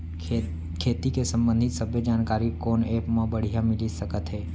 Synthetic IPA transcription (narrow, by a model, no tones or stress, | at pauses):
kʰet̪ikesə̃mbə̃nd̪ʱɪt̪səbʱjəd͡ʒaːnkaɾikonepmãbəɽ̤ijamɪlisəkət̪ɦe